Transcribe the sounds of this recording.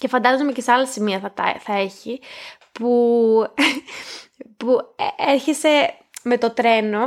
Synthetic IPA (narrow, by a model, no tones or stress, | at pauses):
ce̞fɐnd̪ɐzomeceseɐlɐsimiɐθɐt̪ɐθɐe̞çi | pu | pueɾçese̞ | me̞t̪o̞t̪ɾe̞no̞